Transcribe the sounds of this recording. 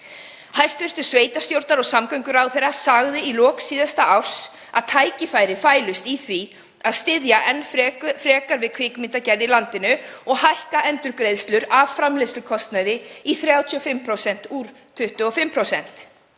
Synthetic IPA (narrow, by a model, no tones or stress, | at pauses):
hajst̪vɪr̥t̪ʏɾ̥sveːjt̪ast̪jowɾt̪naɾɔɣsamkœɥŋkʏɾawθejrːasaɣðɪilɔːksiːðast̪aaw̥s | a̰ðt̪ʰaːjcɪfajɾɪfaːjlʏst̪iθvi | aðst̪ɪðjaʔɛnːfɾɛːkaɾvɪðkʰvɪːkmɪnt̪acɛɾðɪlant̪ɪnʏɔɣhajhkaʔɛnt̪ʏɾkɾejðst̪lʏɾavfɾamlejst̪lʏkʰɔst̪naðɪiθɾjawt̪ʰiɔfɪmːpʰɾowsɛn̥t̪uɾ̥ | t̪ʰʏht̪ʏɔfɪmːpʰɾowsɛn̥t̪